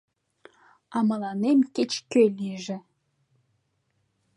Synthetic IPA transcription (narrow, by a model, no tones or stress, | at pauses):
ɑmɑlˠɑnemkʲet͡ɕkʲølʲiʒɘ̆